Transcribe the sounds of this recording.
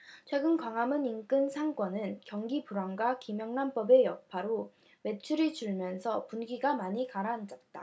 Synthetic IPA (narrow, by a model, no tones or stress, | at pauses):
t͡ɕʰwe̞ɡɯnkwaŋamɯnink͈ɯnsʰaŋk͈ʌnɯnkjʌŋɡipuɾwaŋɡwakimjʌŋnamp͈ʌbe̞jʌk̚pʰaɾo | we̞t͡ɕʰuɾit͡ɕuɭmjʌnsʰʌpunɡiɡamaɲikaɾand͡ʑʌt̚t͈a̰